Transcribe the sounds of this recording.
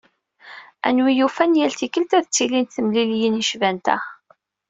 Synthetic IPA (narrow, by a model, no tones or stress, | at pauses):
æ̰nwijufænjælt̪ikəlt̪æðt͡sːilint̪θəmliljiniʃvænt̪æ̰